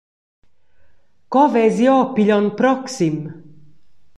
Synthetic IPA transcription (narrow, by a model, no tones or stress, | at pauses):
kɔvɛzjɔːpiʎɔnpɾɔksim